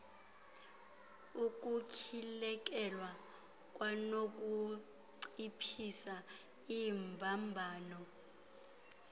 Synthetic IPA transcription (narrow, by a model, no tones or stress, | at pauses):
uk̬ʼucʰilɛk̬ʼɛlwa | k̬ʼwanok̬ʼu | ǀipʰisa | imbʱambʱaːnɔ